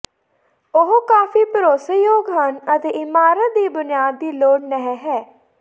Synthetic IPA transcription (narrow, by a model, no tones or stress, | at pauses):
ʊɦkaːfiːpəɾoːsəjoːɡɦənət̪eːɪmaːɾətd̪iːbʊnɪjaːd̪ːiːloːɽnəɦɛɦɛː